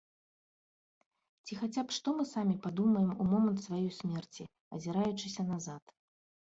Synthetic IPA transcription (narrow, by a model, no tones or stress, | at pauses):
t͡sʲixat͡sʲapʂt̪ɔmɨsamʲipad̪umɐjɛmumɔmɐnt̪svajɔjsʲmʲɛrt͡sʲi | ɐ̰zʲiɾajut͡ʂɨsʲɐnazat̪